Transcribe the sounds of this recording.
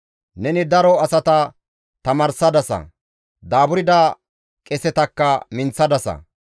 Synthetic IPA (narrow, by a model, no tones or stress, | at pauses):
nɛnɪd̪ɐɾɔɐsɐt̪ɐ | t̪ɐmɐɾsɐd̪ɐsɐ̰ | d̪aːbʊɾɪd̪a | kʼɛsɛt̪ɐkːɐmɪnt͡sːɐd̪ɐsɐ̰